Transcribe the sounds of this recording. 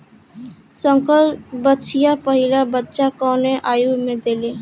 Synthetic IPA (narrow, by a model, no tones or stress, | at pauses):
səŋkəlbəʃʰijapəɦilabətːʃakɔneʔajumẽd̪ele